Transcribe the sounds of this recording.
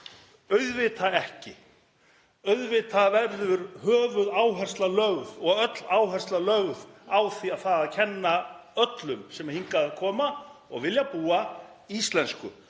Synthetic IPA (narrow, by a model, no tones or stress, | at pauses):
œɥðvɪt̪ʰaɛhcɪ | œɥðvɪt̪ʰavɛɾɾðʏɾhœːvʏðaːwɦɛr̥st̪lalœɣðɔɣœt̪laːwɦɛr̥st̪lalœɣðawθiaðθaðaðcʰɛnːaœt̪lʏmsɛmhiŋkaðkʰɔːmaɔ̰ɣvɪljapuːa | ist̪lɛnskʏ̰